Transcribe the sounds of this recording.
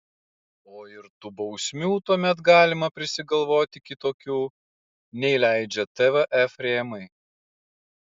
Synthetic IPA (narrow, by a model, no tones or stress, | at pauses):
oːɪɾt̪uːbɐʊsʲmʲuːt̪uɔmʲɛt̪ɡɑːlʲɪmɐpʲɾʲɪsʲɪɡɐlˠʋoːt̪ʲɪkʲɪt̪oːkʲuː | nʲɛɪlʲæˑɪd͡ʒʲɛt̪ɛʋɛʔɛfɾʲeːmɐɪ